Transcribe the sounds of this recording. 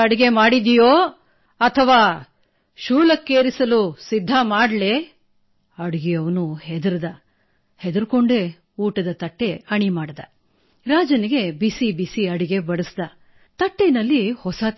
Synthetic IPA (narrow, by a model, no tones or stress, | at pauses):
ɐɽiɡe̞maːɽid̪ijoː | ɐt̪ʰɐʋaː | ʃuːlɐkːeːɾisɐlusid̪ʱːamaːɖle | ɐɽiɡijɐʋɐnuɦed̪ɐɾɐd̪ɐ | hed̪uɾko̞ɳɖe | uːʈɐd̪ɐt̪ɐʈːe̞ɐɳimaːɽd̪ɐ | ɾaːd͡ʒɐniɡe̞bisibisiɐɽiɡe̞bɐɽusd̪ɐ | t̪ɐʈːenɐlːihɔsɐ